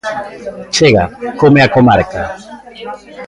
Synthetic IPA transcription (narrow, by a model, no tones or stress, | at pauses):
t͡ʃeɣa̰komeakomaɾka